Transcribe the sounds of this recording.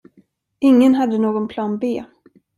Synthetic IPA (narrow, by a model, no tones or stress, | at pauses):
ɪŋːənɦad̪ːənoːɡɔnpʰlɑːnbeː